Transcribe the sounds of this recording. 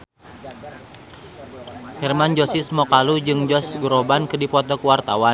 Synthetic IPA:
hɛrmand͡ʒɔsismɔkalud͡ʒɨŋd͡ʒɔsɡɾɔbankɨdipɔt̪ɔkuwart̪awa

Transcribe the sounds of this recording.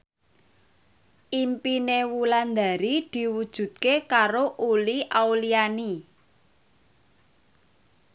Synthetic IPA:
ʔimpinewuland̪a̤ɾid̪̥i̤wud̥ʒ̥ṳd̪̚kekaɾoʔuliʔauliani

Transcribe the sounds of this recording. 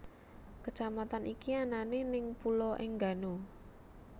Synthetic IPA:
kət͡ʃamat̪anʔikiananenɪŋpulɔʔɪŋɡa̤no

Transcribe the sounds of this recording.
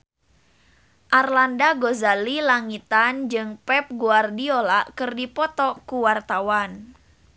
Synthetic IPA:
ʔarlandaɡozalilaŋit̪and͡ʒɨŋpɛp̚ɡuardiolakɨrdipɔt̪ɔkuwart̪awan

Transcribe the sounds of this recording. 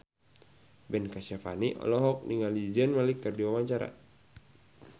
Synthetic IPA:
bɛnkaʃafa̰niʔɔ̰lɔɦɔk̚niŋaliziənmalikːərdiwawaɲt͡ʃaɾa̰

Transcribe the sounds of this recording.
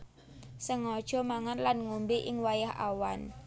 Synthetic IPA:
səŋɔd̥ʒ̥ɔ̤maŋanlanŋumbiʔɪŋwajaha̰wan

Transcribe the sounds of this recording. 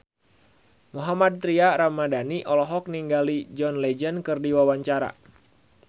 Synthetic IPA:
muɦamad̪̚t̪ɾiaɾamadaniʔɔlɔɦɔk̚niŋɡalid͡ʒɔnlɛd͡ʒənkɨrdiwawaɲt͡ʃaɾa̰

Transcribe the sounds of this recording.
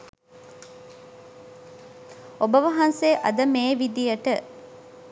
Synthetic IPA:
obəʋɐɦɐnseːʔɐ̰d̪əmeːʋid̪ijəʈə

